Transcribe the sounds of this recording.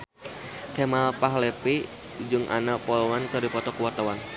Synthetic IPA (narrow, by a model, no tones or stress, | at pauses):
kɛmalpaɦlɛpi | d͡ʒɨŋʔa̰napɔlɔwankərdipɔt̪ɔkuwɔt̪awan